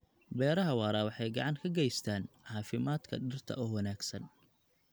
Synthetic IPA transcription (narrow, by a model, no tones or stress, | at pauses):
bɛːɾɐɦɐwɑːɾaːwɑħɑjɡɑ̰ʕɑŋkʰɐɡɛjst̪ʰaːnʕɑːfɪmaːd̪kʰɐ̰ɖɪrt̪ʰɐ̰ʔɔːwɐnaːɡsɐn